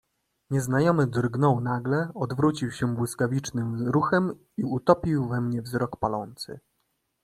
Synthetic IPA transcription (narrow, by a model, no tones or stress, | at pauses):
ɲɛznajɔmɘd̪rɡnɔwnaɡlɛɔd̪vɾut͡ɕiwɕɛbwɘskavʲit͡ʂnɘmɾuxɛm | iut̪ɔpʲiwvɛmɲɛvzɾɔkpalɔnt̪sɘ̰